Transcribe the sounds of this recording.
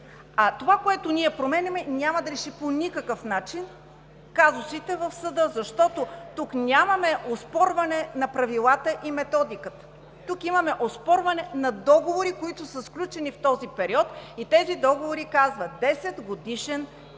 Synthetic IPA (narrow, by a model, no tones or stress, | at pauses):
ɐt̪ovakoɛt̪ʊnʲiɛpɾomɛnʲɐmɛnʲamɐd̪ɐɾɛʃiponʲikəkəfnat͡ʃin | kazʊsit̪ɛvɐfsɐd̪əzɐʃt̪ɔt̪ot̪uknʲamɐmɛʔospɔɾvɐnɛnɐpɾɐvilˠat̪əʔimɛt̪ɔd̪ikət̪ə̥ | t̪ukimɐmɛʔospɔɾvɐnɛnɐd̪ɔɡovoɾikoit̪ʊsəsklʲut͡ʃɛnift̪ɔzipɛɾiɔt̪it̪ɛzid̪ɔɡovoɾikazvɐd̪ɛsɛd̪ɡod̪iʃɛn